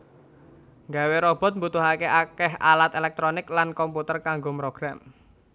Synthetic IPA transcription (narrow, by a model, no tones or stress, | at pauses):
ŋɡaweɾɔb̥ɔ̤t̪̚mbut̪ʊɦakeʔakɛɦa̰lat̪elɛk̚t̪ɾonɪklankɔmput̪ərkaŋɡomɾoɡ̥ɾam